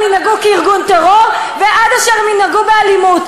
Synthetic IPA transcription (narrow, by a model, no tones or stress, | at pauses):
minaɡukeiʁɡunt̪aʁo̞ʁ | veʔad̪aʃaʁeminaɡubealimut